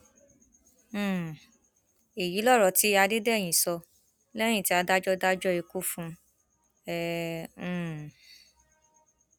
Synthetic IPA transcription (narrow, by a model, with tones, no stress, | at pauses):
e˨ji˨˦lɔ˦ɾɔ˨ti˨˦a˧de˦dɛ˦˨j̃ĩ˨sɔ˧ | lɛ˦j̃ĩ˦˨ti˨˦a˧da˦d͡ʒɔ˦da˦d͡ʒɔ˦i˧ku˦fũ˦ | ɛ̃˦˧˦